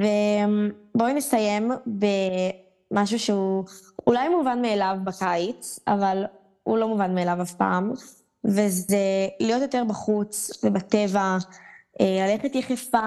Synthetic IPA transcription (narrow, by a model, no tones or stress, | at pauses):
ve | bo̞nesajembe | maʃ̬uʃeuulajmuvanmeːlavbakajt͡sa̰val | ulo̞muvanmeːlavafpa̰ːm | vezelijo̞t̪jo̞t̪eʁbaχut͡svebate̞vaʔelaleχetjeχefa